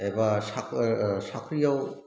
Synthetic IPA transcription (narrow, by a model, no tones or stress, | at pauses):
ebasaksakʰɾijaw